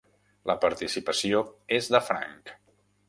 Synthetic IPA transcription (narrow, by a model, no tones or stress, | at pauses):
ləpəɾt̪isipəsioezðəfɾa̰ŋk